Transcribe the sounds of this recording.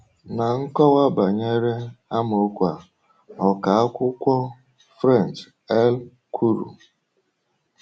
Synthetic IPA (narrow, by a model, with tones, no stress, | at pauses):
na˨ŋ̩˦kɔ˦wa˦ba˨ɲe˦ɾe˦a˦mo˨˦kʷa˨ | ɔ˨ka˨˦a˦kʷʊ˦kʷɔ˦ | fɾa˦˨n˨t͡ʃ | ɛ˦l | kʰu˦ɾṵ˨